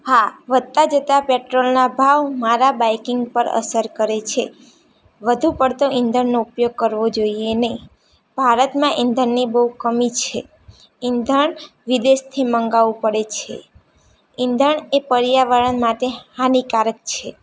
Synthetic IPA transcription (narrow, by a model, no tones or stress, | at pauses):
haʋəd̪̚t̪ad͡ʒət̪apeʈɾolnabʱaʋmaɾabajkɪŋɡ̚pəɾə̰səɾkəɾet͡ʃʰe | ʋəd̪ʱũpəɽt̪oʔɪnd̪ʱəɳnoupjoɡ̚kəɾʋod͡ʒoienəɦĩ | b̥ʱaɾət̪mãʔĩnd̪ʱəɳnibəukəmit͡ʃʰe | ɪnd̪ʱəɳ | ʋid̪est̪ʰiməŋɡaʋũpəɽet͡ʃʰḛ | ɪnd̪ʱəɳepəɾjaʋəɭənmaʈehanikaɾək̚t͡ʃʰe